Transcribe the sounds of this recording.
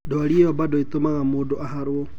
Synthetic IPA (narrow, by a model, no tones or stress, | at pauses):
dɔaliɛɔbadɔit̪omaɣamudɔʔaɦaɾwɔ